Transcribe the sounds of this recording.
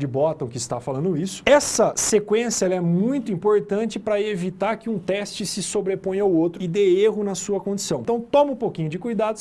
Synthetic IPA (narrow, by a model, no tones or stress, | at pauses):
d͡ʒɪbɔt̪ɐ̃w̃kɪst̪afalɐ̃nd̪ʊisʊ̥ɛsɐsekwẽsjɐɛlɐɛmũj̃t̪ʊĩmpoɾt̪ɐ̃nt͡ʃɪpɾɐevit̪aɾkɪũt̪ɛst͡ʃɪsɪsobɾepõɲawowt̪ɾʊɪd̪eeɦʊnɐsuɐkõd͡ʒɪ̥sɐ̃w̃t̪ɐ̃w̃t̪õmɐũpokĩɲʊd͡ʒɪkujd̪ad̪ʊ